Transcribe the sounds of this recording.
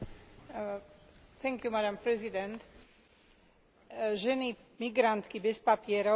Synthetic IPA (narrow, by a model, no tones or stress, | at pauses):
θʰɛ̃ŋkjumadampɾɛzid̪ɛ̃nt̪ | ʒɛnimiɡɾant̪kibɛspapiɛɾɔ